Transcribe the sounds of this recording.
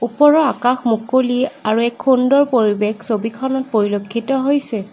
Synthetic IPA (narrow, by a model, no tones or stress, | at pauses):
upɔɹɔakaxmukoliaɹuɛkʰːundɔɹpoɹibexsobikʰɔnɔt̚poɹilokʰːitɔɦojsɛ